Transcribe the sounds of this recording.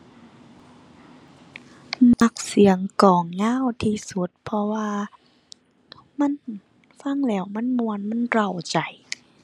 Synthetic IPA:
na˧k̚si˨˩˦əŋkɔː˨˩ŋːaː˧˥˨wt̪ʰiː˧˩su˧˦t̪̚pʰɔ˧waː˧ | ma˧˥˨n | fa˧˥˨ŋlɛː˧˩wma˧˥˨nmu˧ə˨nma˧˥˨nɾa˧˩wt͡ɕa˨˩j

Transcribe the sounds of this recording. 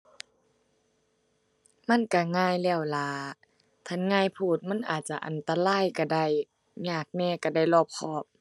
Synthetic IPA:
ma˧˥˨nka˧˩ŋaː˧˥˨jlɛː˧˩˨wlaː˧˦ | t̪ʰa˧˥˨nŋaː˧˥˨jpʰuː˧˩t̪̚ma˧˥˨nʔa̰ː˨˩t̪̚t͡ɕa˧ʔa˨nt̪a˧laː˧˥˨jka˧˩da˧˩j | ɲaː˧˩k̚nɛː˧˩˨ka˧˩da˧˩˨jlɔː˧˩p̚kʰɔː˧˩p̚

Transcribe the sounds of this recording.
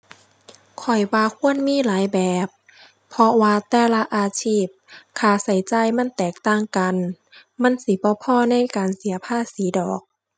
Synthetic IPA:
kʰɔ˨˩jwaː˧kʰu˧˥˨ə˨nmiː˧˥˨laː˨˦jbɛː˨˩p̚ʰː | ɔ˧waː˧t̪ɛː˧˩la˧ʔaː˧t͡ɕʰiː˧˥˩p̚kʰaː˧˩sa˨˩jt͡ɕa˧jma˧˥˨nt̪ɛː˨˩k̚t̪aː˧˥˨ŋka˨n | ma˧˥˨nsi˧˦bɔː˧˦pʰɔː˧˥˨na˧˥˨jkaː˨nsi˨˩˦ɐpʰaː˧˥˨siː˨˦dɔː˨˩k̚

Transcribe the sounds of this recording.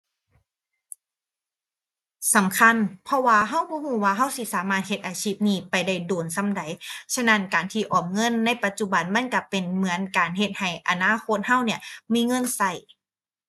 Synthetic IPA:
sa˨˦mkʰa˧˥˨npʰɔ˧waː˧ɦa˧˥˩wbɔː˧˦huː˧˩waː˧ɦa˧˥˩wsi˧˩˨saː˨˦maː˧˩t̪̚he˧t̪̚ʔaː˨˩t͡ɕʰiː˧˥˩p̚niː˧˩pa˨jda˧˩jdoː˨˩nsa˧˥˨mda˨˦jt͡ɕʰa˧˥˨na˧˥˨nkaː˨˩nt̪ʰiː˧˩ʔɔː˨˩m̚ŋɤ˧˥˨nːa˧˥˩jpa˧t̪̚t͡ɕu˧˩ba˨nma˧˥˨nka˧˩pe˨nmɯ˨˩˦ənkaː˨˩nɦe˧t̪̚ha˨˩jʔa˨naː˧˥˨xʰo˧˥t̪̚ha˧˥˨wni˧˥ɐmiː˧˥˨ŋɤ˧˥˨nsa˧˩j

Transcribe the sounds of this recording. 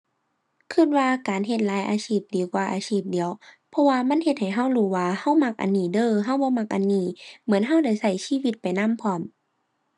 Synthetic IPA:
kʰɯ˧˩t̪̚waː˧kaː˨nɦe˧t̪̚laː˨˦jʔa̰ː˨˧siː˧˩p̚di˨˦wkwaː˧˩ʔa̰ː˨˧siː˧˩p̚di˨˦əw | pʰɔ˧waː˧ma˧˥˨nhe˧t̪̚ha˨˩jɦa˧˩˨wluː˧˩waː˧ha˧˩wma˧k̚ʔa̰˨nːiː˧˩dɤː˧˨ɦa˧˥˨wbɔː˧˦ma˧k̚ʔa˨nːiː˧˩mɯ˨˦ənɦa˧˩˨wda˧˩jsa˧˩jsiː˧˥˨wi˧t̪̚pa˨jna˧˥˨mpʰɔː˧˩m

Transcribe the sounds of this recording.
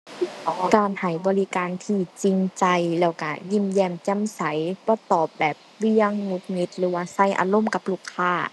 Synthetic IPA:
ʔɔː˨˩kaː˧˩nha˨˩jbɔː˧˦li˧kaː˧˨nt̪ʰiː˧˩t͡ɕi˧ŋt͡ɕa˧jlɛː˧˩wka˧˩ji˧˩˨mjɛː˧˩mt͡ɕa˧˥˨msa˨˦jbɔː˧˦t̪ɔː˨˩p̚bɛː˨˩p̚wi˧˥əŋːu˧˥k̚ni˧t̪̚lɯː˨˦waː˧˩sa˧˩jʔa̰ː˧lo˧˥˨mka˧˦p̚lu˧˩kʰːaː˧˥˩

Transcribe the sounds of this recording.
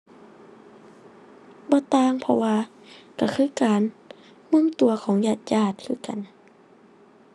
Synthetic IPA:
bɔː˧˦t̪aː˧˨ŋpʰɔ̰˧waː˧ | ka˧˩kʰɯː˧˨kaː˨n | mɯ˧˥˨ŋt̪u˨˩ɐkʰɔː˨˦ŋjaː˧˩t̪̚jaː˧˩t̪̚kʰɯː˧˥˨ka˨n

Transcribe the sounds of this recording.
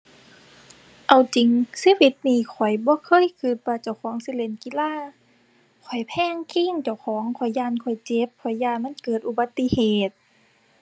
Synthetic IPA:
ʔa˧wt͡ɕi˨ŋsiː˧˥˨wi˧˦t̪̚niː˧˩kʰɔ˨˩jbɔː˧˦kʰɤː˧˥˨jkʰɯː˧˩t̪̚waː˧t͡ɕa˧˩wkʰɔː˨˦ŋsi˧˨le˧˩˨nki˧˥˨laː˧˥˨ | kʰɔ˨˩jpʰɛː˧˥˨ŋkʰiː˧˥˨ŋt͡ɕa˧˩wkʰɔː˨˩˦ŋkʰɔ˨˩jːaː˧˨nkʰɔ˨˩jt͡ɕe˧˦p̚kʰɔ˨˩jːaː˧˩ma˧˥˨nkɤː˨˩t̪̚ʔu˧˩ba˧˦t̪ːi˧˨heː˨˩t̪̚

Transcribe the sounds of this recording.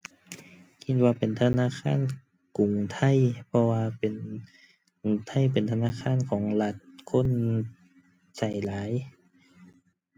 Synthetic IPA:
kʰi˧t̪̚waː˧pe˨˩nt̪ʰa˧naː˧˥˨kʰaː˧˥˨n | ku˨˩ŋt̪ʰa˧˥˩jpʰɔ˧waː˧pe˨˩n | u˨˩ŋt̪ʰa˧˥˨jpe˨˩nt̪ʰa˧naː˧˥˨kʰaː˧˥˨nkʰɔː˩˦ŋla˧˩t̪̚kʰo˧˥˨n | t͡ɕa˨˩jlaː˨˦j

